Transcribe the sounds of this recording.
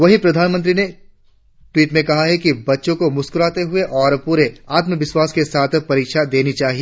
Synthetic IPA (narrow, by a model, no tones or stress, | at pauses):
ʋɐɦĩpɾɐd̪ʱaːnmə̃nt̪ɾine | ʈwiːʈmẽkɐɦaɦɛkibɐtːʃõkomʊskʊɾaːt̪eɦʊeʔɔːɾpuːɾeaːt̪məʋɪʃwaːskesaːt̪ʰpɐɾiːkʃad̪eːnit͡ʃaːɦie